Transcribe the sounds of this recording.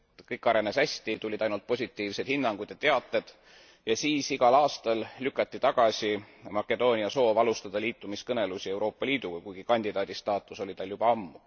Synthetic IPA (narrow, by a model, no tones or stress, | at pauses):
kɤjkːˑɑɾe̞nesæsʲt̪it̪ulʲid̪ɑjnult̪̚po̞sʲit̪ːˑiːvse̞d̪̥hinːɑŋɡ̥ud̪̥jɑt̪e̞ɑt̪ˑːe̞d̪̥ | jɑsiːsiɡ̥ɑlɑːst̪ɑllykːˑɑt̪ʲːit̪ɑɡ̥ɑsʲi | mɑkːˑe̞d̪̥o̞ːnʲiɑso̞ːvɑlust̪ɑd̪̥ɑliːt̪ːˑumiskɤne̞lusʲie̞wɾo̞ːpːˑɑliːd̪̥uɡ̥ɑkujɡ̥ikɑnʲd̪̥id̪ɑːd̪̥ist̪ɑːt̪ːˑuso̞lʲit̪ɑljub̥ɑɑmːu